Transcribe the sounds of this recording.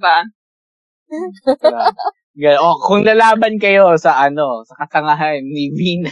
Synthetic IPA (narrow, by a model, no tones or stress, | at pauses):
ba | ɡɐʔokʊŋlɐlaːbɐnkɐjo̞sɐʔɐno̞sɐkɐt̪ɐŋɐɦanːɪviːnɐ